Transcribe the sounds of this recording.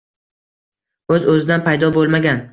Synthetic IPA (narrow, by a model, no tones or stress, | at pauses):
ɵzɵzɪd̪anpʰajd̪ɒbolˠmaɡʲan